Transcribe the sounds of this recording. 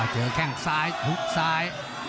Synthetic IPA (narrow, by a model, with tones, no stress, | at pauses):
t͡ɕeː˨˦kʰɛː˧˩ŋsaː˧˥jt̪ʰu˦˥k̚saː˧j